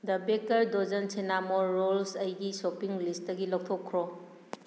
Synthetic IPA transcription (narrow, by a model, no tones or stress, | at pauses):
dɐbekɐɾdod͡ʒɐnsenamoɾːolsɐjɡisopiŋlisdɐɡilow̚k̚tʰokʰːɾo